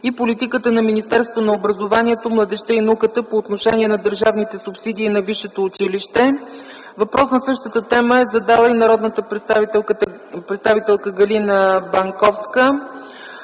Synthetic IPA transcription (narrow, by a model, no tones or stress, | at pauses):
ipolit̪ikət̪ənɐminist̪ɛɾst̪vonɐobɾɐzovaniɛt̪omlˠɐd̪ɛʃt̪əinɐukət̪əpoːt̪noʃɛniɛnɐd̪əɾʒavnit̪ɛsʊpsid̪iːnɐviʃɛt̪oːt͡ʃiliʃt̪ɛ | vɐpɾɔsnɐsɤʃt̪ət̪ət̪ɛməɛzɐd̪alˠəinɐɾɔd̪nət̪ə | pɾɛt̪st̪avit̪ɛlˠkəɡɐlinəbɐŋkɔfskə